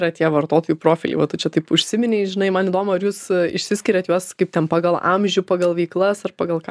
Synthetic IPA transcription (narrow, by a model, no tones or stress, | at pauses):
ɾɐt̪ʲiɛʋɐrt̪oːt̪oːjupɾoːfʲɪlʲɛ̰ɪʋɐt̪ʊt͡ʃʲɛt̪ɐɪpʊʃʲsʲɪmʲɪnʲɛɪʒʲɪnɐɪmɐnid̪oːmɐɐɾjuːsɪ̰ʃʲsʲɪsʲkʲɪɾʲɛt̪juɔskɐɪp̚t̪ʲɛnpɑːɡɐlˠɐ̰mʲʒʲʊpɑːɡɐlˠʋʲɛɪklˠɐsɐrpɑːɡɐlˠkɑː